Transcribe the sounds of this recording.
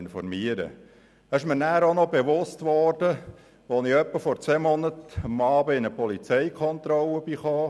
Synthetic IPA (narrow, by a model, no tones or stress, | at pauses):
nfɔ̰rmiəɾə̰ | ɪʃmɪɾnæːɾonɔbeʋʊstʋɔrd̥ə | ʋonɪœpːəfɔɾt͡sʋɛːmɔnətɑmɑːbəɪnəpɔlit͡sɛɪkʰɔnt̪ɾɔləbiχɑː